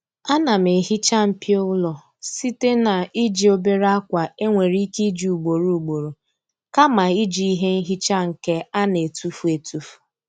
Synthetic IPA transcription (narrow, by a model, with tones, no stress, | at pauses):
a˦na˨m˨e˨ɦi˦t͡ʃa˦m̩˦pi˦o˦lɔ˨ | si˦te˦na˨i˦d͡ʒi˨o˦be˦ɾa˦kʷa˨e˦ŋʷe˨ɾi˦ki˦d͡ʒi˨u˨ɡ͡bo˨ɾu˨u˨ɡ͡bo˨ɾo˨ | ka˦ma˨i˦d͡ʒi˦i˦ɦe˦n̩˦ɦi˦t͡ʃa˦ŋ̩˨ke˦a˦ne˨tu˦fu˦e˨tu˦fu̥˨